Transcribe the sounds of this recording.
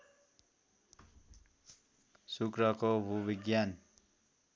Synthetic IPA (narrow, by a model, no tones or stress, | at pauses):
sukɾʌkobʱubiɡjan